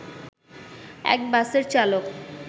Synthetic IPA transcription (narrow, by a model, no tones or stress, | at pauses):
ɛ̰k̚baseɾt͡ɕalok